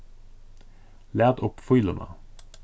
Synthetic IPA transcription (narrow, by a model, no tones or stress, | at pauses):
læːd̪ʊpfʊʏlənʔə̰